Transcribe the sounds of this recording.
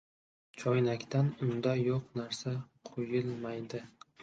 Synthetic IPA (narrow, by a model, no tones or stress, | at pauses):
t͡ʃʰɒjnakʲt̪ʰanʊnd̪ajoqnaɾsaqʰojɪlˠmajd̪ɪ